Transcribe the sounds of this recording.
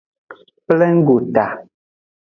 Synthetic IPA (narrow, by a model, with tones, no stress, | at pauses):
plɛ˦ŋ̩˦ɡu˨ta˨